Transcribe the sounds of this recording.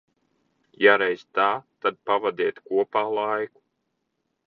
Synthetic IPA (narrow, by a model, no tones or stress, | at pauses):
jaɾɛjzt̪aːt̪ad̪̚pavad̪iɛt̪kuɔpaːlˠajku̥